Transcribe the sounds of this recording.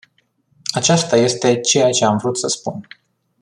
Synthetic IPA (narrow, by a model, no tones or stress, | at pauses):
at͡ʃast̪aje̞st̪e̞t͡ʃe̞jat͡ʃe̞amvɾut̪səspun